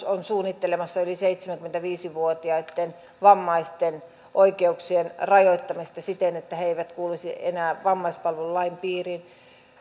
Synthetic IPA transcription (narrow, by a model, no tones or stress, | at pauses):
onsuːnːit̪ːelemɑsːɑyliseit̪semæŋkyment̪æʋiːsiʋuot̪iɑit̪ːen | ʋɑmːɑist̪en | ʔoikeuksienrɑjoit̪ːɑmist̪ɑsit̪enet̪ːæheeiʋæt̪kuːlusienæːʋɑmːɑispɑlʋellːɑimpiːrin